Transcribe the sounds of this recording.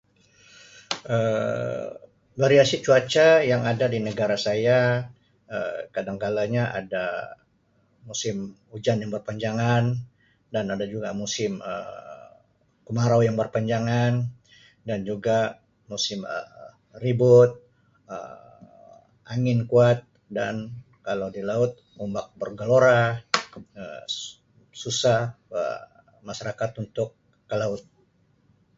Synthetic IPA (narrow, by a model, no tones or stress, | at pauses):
ə | vaɾiasit͡ʃuat͡ʃajaŋadadinəɡaɾasaja | əkadaŋkalaɲaʔa̰da | musɪm | ud͡ʒanjaŋbərpaɲd͡ʒaŋan | danadad͡ʒuɡamusɪmə̰ | kəmaɾawjaŋbərpaɲd͡ʒaŋan | dand͡ʒuɡa | musɪmə̰ | ribʊt̪̚ | ə̰ | aŋɪnkuat̪̚ | dan | kalawdilaʊt̪̚mumbak̚bərɡaloɾa | ə | susah | ə̰ | maʃaɾakat̪unt̪ʊkː | əlaʊt̪̚